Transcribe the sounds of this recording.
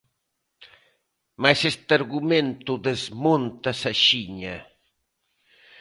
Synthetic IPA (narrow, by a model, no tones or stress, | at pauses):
majsest̪aɾɣumẽnt̪ʊðezmont̪ɐsaʃiɲa